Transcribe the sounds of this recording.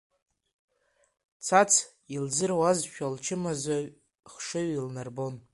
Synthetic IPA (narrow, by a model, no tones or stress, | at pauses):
t͡sʰat͡sʰ | ilzɨrwazʃᶣalt͡ʃʰɪmazaɥ | χʂɨɥilnarbo̞n